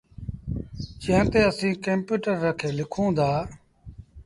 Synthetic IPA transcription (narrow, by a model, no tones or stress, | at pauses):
t͡ʃãːt̪eːəsĩːkə̃mpjuːʈəɾːəkʰeːlɪkʰõːd̪aː